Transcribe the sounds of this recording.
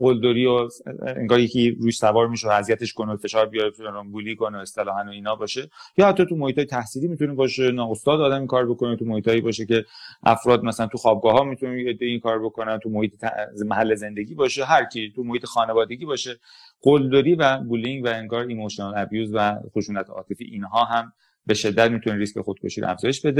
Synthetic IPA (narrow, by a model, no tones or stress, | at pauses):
ɡold̪oɾiːoḛŋɡɒːɾjecʰiɾuːʃsævɒːɾmiʃeæzijæt̪e̞ʃko̞nofe̞ʃɒːɾbijɒɾet̪buliːko̞noest̪elɒːhænoiːnɒːbɒːʃejɒːhæt̪ʰːɒːt̪umohiːt̪ʰɒːjet̪ʰæhsiːlimit̪unebɒːʃe̞nɒːost̪ɒːd̪ɒːd̪æmikʰɒːɾbo̞ko̞net̪ʰumohiːt̪ʰɒːibɒːʃe̞ce̞ʔæ̰fɾɒːd̪mæsælænt̪ʰuxɒːb̚ɡɒːɦɒːmit̪ʰuneed̪ːeiːkʰɒːɾbo̞konænt̪ʰumohiːt̪ʰet̪æ̰mæɦælːeze̞nd̪e̞ɡiːbɒːʃeɦæɾcʰit̪ʰumohiːt̪ʰexɒːnevɒːd̪eɟiːbɒːʃe | ɢ̥old̪oɾiːvæbuliŋɡvæe̞ŋɡɒːɾemoʃinɑlæbjuːzvæxoʃuːnæt̪ʰɒ̰ːt̪ʰe̞fḭːʔiːnɦɒːɦæm | be̞ʃe̞d̪ːæt̪mit̪ʰuneɾiskʲexod̪̥̚kʰoʃiːɾo̰æ̰fzɒːjeʃbe̞d̪e